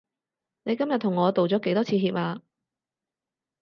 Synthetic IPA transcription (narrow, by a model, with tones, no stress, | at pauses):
ne˨˧jkɐ˥mjɐ˨t̚t̪ʰʊ˨˩ŋːɔː˨˧t̪o˨wt͡sɔː˨˥ke˨˥jt̪ɔː˥t͡sʰiː˧ɦiː˧p̚aː˧